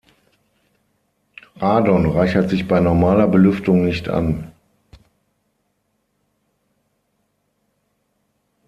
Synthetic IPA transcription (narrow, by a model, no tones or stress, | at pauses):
ʁaːdɔnʁaɪçɐtz̥ɪçb̥aɪnɔɐmaːlɐbəlʏftʊŋnɪçtʰa̰n